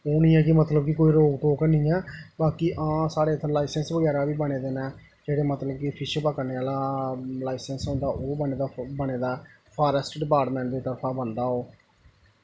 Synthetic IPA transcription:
oːnĩːɛːkɪmət̪ləbkɪkoːiːɾoːkʈoːknĩːɛːbaːkiːʔãːsaːɽeːt̪ʰːlaːɪsənsʋəɡɛːɾaːʋiːbəɽ̃eːd̪eːnɛː | d͡ʒeːɽeːmət̪ləb̚kɪpʰɪʃpəkəɾneːaːlaːlaːɪsənsɦõːnd̪aːʔoːbəneːd̪aːbəɽeːd̪aːpʰaːɾəsʈɖɪpaːɾʈmẽːɳʈd̪eːt̪əɾpʰãːbənd̪aːoː

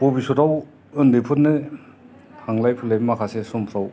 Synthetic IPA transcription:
pobisutaw | ɯndepʰut̚nɯ | haŋlajpʰulajbmakʰasesɔmpʰɾaw

